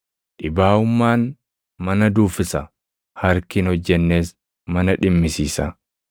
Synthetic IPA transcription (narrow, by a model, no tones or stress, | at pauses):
ʔɪbaːʊmːaːn | mɐnɐd̪uːfɪsɐ | hɐɾkɪnhɔd͡ʒːɛnːe̞ːs | mɐnɐᶑɪmːɪsiːsa